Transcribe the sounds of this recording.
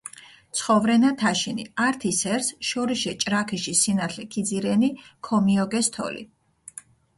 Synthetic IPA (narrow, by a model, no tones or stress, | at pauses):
t̪sʰχɔvɾɛnat̪ʰaʃinḭaɾt̪ʰisɛɾsʃɔɾiʃɛt͡ʃʼɾakʰiʃisinat̪ʰlɛkʰid̪ziɾɛnikʰɔmiɔɡɛst̪ʰɔ̰lḭ